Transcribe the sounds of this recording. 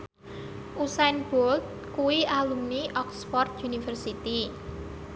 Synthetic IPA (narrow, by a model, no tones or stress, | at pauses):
ʔusanb̥old̪̚ | kuwiʔalumniʔɔkspɔrt̪̚junifərsit̪i